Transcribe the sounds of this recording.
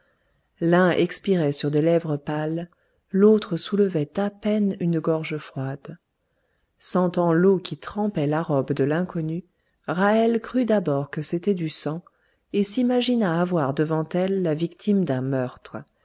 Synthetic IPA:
lɛ̃ʔɛ̰kspiʁɛsyʁd̪elɛvʁəpalː | ot̪χəsuləvɛt̪apɛnynɡɔʁʒəfχwad̪ | sɑ̃t̪ɑ̃lokʲit̪χɑ̃pɛlaʁɔbd̪əlɛ̃kɔny | ʁaɛlkχyd̪abɔʁkəset̪ɛd̪ysɑ̃ | esimaʒinaːvwaʁd̪əvɑ̃t̪ɛlːavikt̪ʰimd̪ɛ̃mœʁt̪χə

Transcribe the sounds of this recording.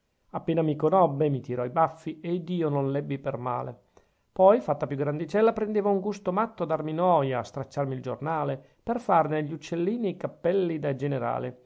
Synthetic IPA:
apːeːnamikonɔbːemit̪iɾɔibafːieid̪iːononlɛbːiperma̰ːlḛ | pɔjfat̪ːapjuɡɾand̪it͡ʃɛlːapɾend̪eːvouŋɡust̪omat̪ːoad̪arminɔːjaːst̪ɾat͡ʃːarmild͡ʒo̰rnaːle | perfarneʎːut͡ʃːelːiːnikapːɛlːid̪ad͡ʒeneɾa̰ːle

